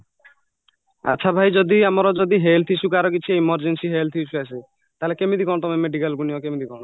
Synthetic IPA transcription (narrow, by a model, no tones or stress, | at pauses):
a̰tːʃʰabʱajd͡ʒɔd̪iamɔɾɔd͡ʒɔd̪iɦelt̪ʰit͡ʃʰukaɾɔkit͡ʃʰieimɔɾd͡ʒensiɦelt̪ʰit͡ʃʰuase | t̪aɦelekemid̪ikɔɽ̃t̪ɔmemeɖikalɡunijɔkemid̪ikɔɽ̃